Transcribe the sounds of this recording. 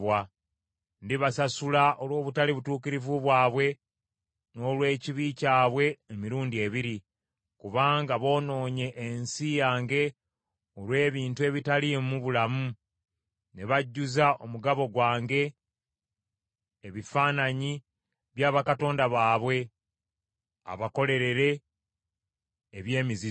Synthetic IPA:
wa | ndiβasasulaʔo̞lwo̞ːβutaliβutuːkiɾivuβwaːβwe̞ | no̞ːlwe̞ːciβicaːβwe̞ːmiɾuːndie̞βiɾi | kuβaːŋɡaβo̞ːno̞ːɲe̞ʔːnsijaːŋɡe̞ | o̞lwe̞ːβiːntue̞βitalimuβulamu | ne̞βaɟːuzao̞muɡaβo̞ɡwaːŋɡe̞ | βifaːnaɲi | βjaːβakato̞ːndaβaːβwe̞ | a̰βako̞le̞ɾe̞ɾe̞ | βje̞ːmizi

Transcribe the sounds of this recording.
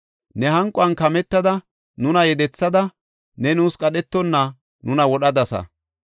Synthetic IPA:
nɛhɐŋkʼʊɐnkɐmɛt̪ːɐd̪ɐ | nʊnɐjɛd̪ɛt͡sːɐd̪ɐ | nɛnuːskʼɐɗɛt̪ːɔnːɐ | nʊnɐwɔɗɐd̪ɐsɐ̰

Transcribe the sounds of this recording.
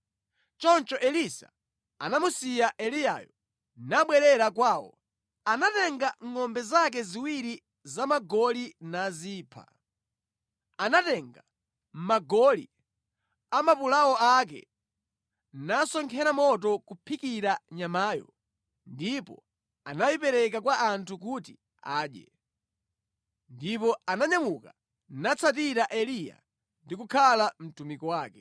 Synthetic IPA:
t͡ʃɔnt͡ʃɔʔɛlisa̰ | anamusijaʔɛlija̰jɔ | naɓwɛɾɛɾakwaːwɔ̰ | anatɛŋɡaŋɔmbɛzak̬ɛziwiɾi | zamaɡɔlinaziːpʰa̰ | anatɛŋɡa | m̩maɡɔlḭ | amapulawɔak̬ɛ̰ | nasɔŋkʰɛɾamɔtɔkupʰikiɾaɲamaːjɔ̰ | ndipɔ̰ | anajipɛɾɛk̬akwaʔantʰuk̬uti | aːɗjɛ̰ | ndipɔanaɲamuka | nat͡sʰatiɾaʔɛlija̰ | ndikukʰalam̩tumikɔwaːkɛ

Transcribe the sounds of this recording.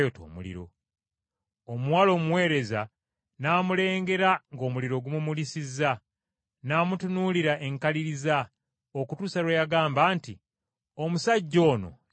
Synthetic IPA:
joto̰ːmṵlḭɾo̞̰ | omwaːlo̞ːmuwe̞ːɾe̞za | naːmule̞ːŋɡe̞ɾaŋɡo̞ːmuliɾo̞ɡumumulisizːa | naːmutunuliɾaʔe̞ŋkaliɾiza | okutuːsaɾwejaɡaːmbaːnti | omusaɟːo̞ːno̞̰

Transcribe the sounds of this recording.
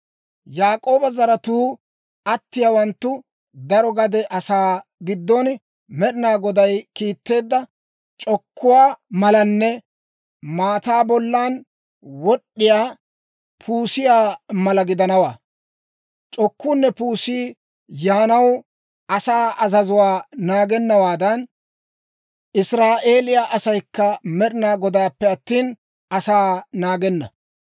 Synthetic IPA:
jaːkʼo̞ːbɐzɐɾɐt̪uː | ɐt̪ːɪjaːwɐnt̪ːʊ | d̪ɐɾɔɡɐd̪ɛʔɐsaːɡɪd̪ːɔn | mɛɗɪnaːɡɔd̪ɐjkiːt̪ːe̞ːd̪ːɐ | t͡ʃʼɔkʰːʊwaːmɐlɐnːɛ | maːt̪aːbɔlːaːn | wɔɗːɪjaː | pʰuːsɪjaːmɐlɐɡɪd̪ɐnɐwaː | t͡ʃʼɔkːuːnːɛpuːsiː | jaːnɐw | ɐsaːʔɐzɐzʊwaːnaːɡɛnːɐwaːd̪ɐn | ɪsɾaːʔe̞ːlɪjaːʔɐsɐjkːɐmɛɗɪnaːɡɔd̪aːpːɛɐt̪ːiːn | ɐsaːnaːɡɛnːɐ̰

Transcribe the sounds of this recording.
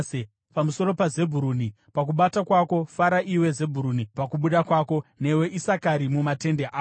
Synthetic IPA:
e | pamuso̞ɾo̞paze̞bʱuɾuni | pakuɓatakwako̞faɾaʔiwe̞ze̞bʱuɾunipakuɓuɗakwaːko̞ne̞we̞ʔisakaɾimumate̞ndeʔaː

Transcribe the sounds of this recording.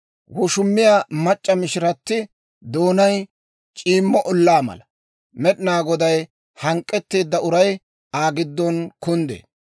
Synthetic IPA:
wɔʃʊmːɪjaːmɐt͡ʃʼːɐmɪʃɪɾɐt̪ːɪ | d̪o̞ːnɐj | t͡ʃʼiːmːɔʔɔlːaːmɐ̰lɐ | mɛɗɪnaːɡɔd̪ɐj | hɐŋkʼːɛt̪ːe̞ːd̪ːɐʊɾɐj | aːɡɪd̪ːɔnkʊnd̪ḛː

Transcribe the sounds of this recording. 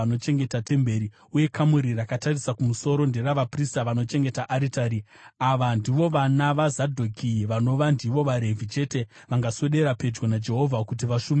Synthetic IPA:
ano̞t͡ʃe̞ŋɡe̞tate̞mbe̞ɾi | uje̞kʰamuɾirakatarisakumuso̞ɾo̞nde̞raʋapristaʋano̞t͡ʃe̞ŋɡe̞taʔaɾitaɾi | aʋandiʋo̞ʋanaʋazadʱokʰiʋano̞ʋandiʋo̞ʋaɾe̞vʱit͡ʃe̞te̞ | ʋaŋɡaso̞ɗe̞ɾape̞d͡ʒɡwonad͡ʒe̞ɦo̞vʱakut̬iʋaʃume

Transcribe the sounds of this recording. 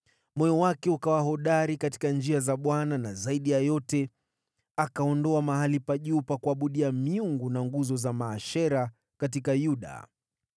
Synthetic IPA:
mɔjɔwakɛukawaɦɔɗaɾikati̥kand͡ʒiazaɓwananazaiɗijajɔtɛ | akaɔndɔamaɦalipaʄupakuaɓuɗiamiuŋɡunaŋɡuzɔzamaːʃɛɾa | kat̬ikajuɗa̰

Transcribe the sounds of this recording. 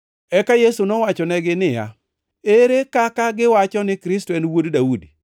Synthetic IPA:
ɛkajesunɔwat͡ʃɔnɛɡɪnɪja̰ | eɾekakaɡɪwat͡ʃɔnɪkɾɪstoɛnwoddaudi

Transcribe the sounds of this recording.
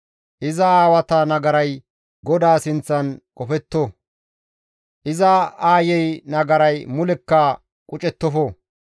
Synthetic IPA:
ʔɪzɐaːwɐt̪ɐnɐɡɐɾɐj | ɡɔd̪aːsɪnt͡sːɐnkʼɔfɛt̪ːo | ʔɪzɐaːjɛjnɐɡɐɾɐjmʊlɛkːɐ | kʼʊt͡ʃʼɛt̪ːɔfɔ

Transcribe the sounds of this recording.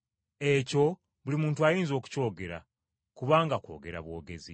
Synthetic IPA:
e̞co̞ | βulimuːntuajiːnzo̞ːku̥co̞ːɡe̞ɾa̰ | kuβaːŋɡakwo̞̰ːɡe̞ɾa̰βwo̞ːɡe̞zḭ

